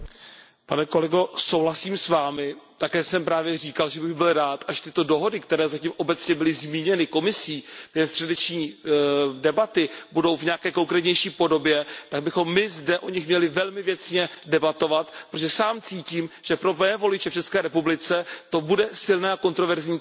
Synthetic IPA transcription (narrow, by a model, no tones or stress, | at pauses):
panɛko̞lɛɡo̞sowɦlasiːmsvaːmɪt̪akɛːsɛmpɾaːvjɛr̝iːkalʒɛbɪɣbɪlɾaːt̪ʔaʒɛ̥t̪ɪt̪o̞do̞ɦo̞dɪkt̪ɛɾɛːzaciːmʔo̞bɛt͡sɲɛbɪlɪzmiːɲɛnɪko̞mɪsiːɡɛstr̥ɛdɛt͡ʃɲiː | dɛbat̪ɪbudo̞wvɲɛakɛːko̞ŋkɾɛːt̪ɲɛjʃiːpo̞do̞bjɛt̪aɡ̚bɪxo̞mːɪzdɛʔoɲɪxmɲɛlɪvɛlmɪvjɛt͡sɲɛdɛbat̪o̞vat̪pɾoʒɛsaːmt͡siːciːmʒ̥ɛpɾopɛɛːvo̞lɪt͡ʃɛft͡ʃɛskɛːɾɛpublɪt͡sɛt̪o̞budɛsɪlnɛːako̞nt̪ɾo̞vɛɾzɲiː